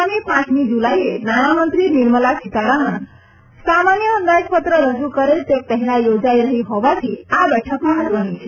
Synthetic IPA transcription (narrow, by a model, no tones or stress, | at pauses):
miːpãt͡smiːd͡ʑulajenanamənt̪ɾiːniɾməlasit̪aɾaɦən | samanjəːnd̪ajəkpət̪ɾəɾəd͡zuːkəɾelt̪ek̚t̪əɦlajod͡zajɾəɦiɦoʋat͡ɕiːabɛʈʰəkaɦət̪ʋənit͡ɕʰe